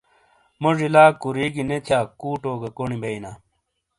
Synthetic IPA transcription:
moʐilaːkuɾiːɡinet̪ʰjaːkuːʈoːɡɐkonibeinaː

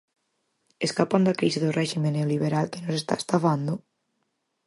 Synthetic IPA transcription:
eskapand̪akɾisɪðʊrɛʃimẽnːeoliβ̞eɾalkɪnosest̪a̰est̪afand̪ʊ

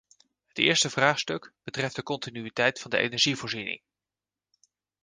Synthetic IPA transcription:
ɦətɪ̰ːɹstəvraːχstɵkb̥ətrɛftdəkɔntinyitɛjtfɑndəʔḛnɛɹʒivʊːɹzinɪ̰ŋ

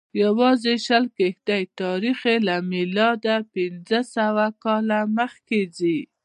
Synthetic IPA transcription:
jawɑzeʃəlkehd̪ajt̪ɑɾixelamɪlɑd̪apɪnzəsawakɑlaməxkezi

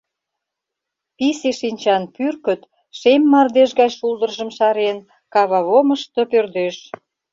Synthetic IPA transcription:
piseʃinʲt͡ɕɑnpyrkə̆t̪ | ʃemːɑrd̪eʃɣɑjʃuld̪ərʒə̆mʃɑɾen | kɑβɑβoməʃt̪opørd̪eʃ

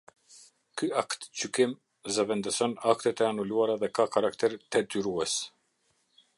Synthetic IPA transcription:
kyakt̪t͡ɕykim | zəvɛnd̪əsɔnak̚t̪ɛt̪ɛanuluaɾaðɛkakaɾakt̪ɛɾt̪ɛd̪yɾuɛs

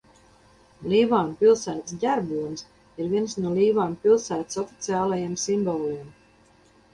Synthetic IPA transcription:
lʲiːvaːnpilˠsæːt̪s̬ɟʲaɾbuːns | iɾvʲiɛnsnuɔliːvaːnpʲilˠsæːt̪i̥sɔfʲi̥t̪sʲiaːlˠajemsimbɔlˠim

